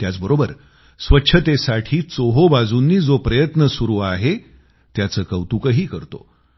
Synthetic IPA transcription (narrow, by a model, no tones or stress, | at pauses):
t̪jat͡sbəɾobəɾ | sʋətːɕʰət̪esaʈʰiːt͡soɦobad͡zunːiːd͡zopɾəjət̪nəsuɾuːaɦe | t̪jat͡səːkəwt̪ukəɦiːkəɾt̪o̰